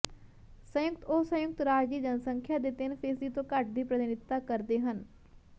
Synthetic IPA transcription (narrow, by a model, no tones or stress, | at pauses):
sə̃jʊkt̪oːsə̃jʊk̚t̪ɾaːd͡ʒiːd͡ʒənsə̃ŋkʰjaːd̪eːt̪ɪnpʰeːsit̪õːkəʈ̚ʰd̪iːpɾəd̪ɪnɪt̪ːakəɾd̪eɦən